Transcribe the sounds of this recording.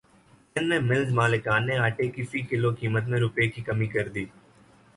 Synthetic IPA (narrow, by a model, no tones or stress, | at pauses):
enmẽmɪlzmaːlekaːnːeaːʈekifikɪlokiːmət̪mẽɾʊpekikɐmikɐɾd̪iː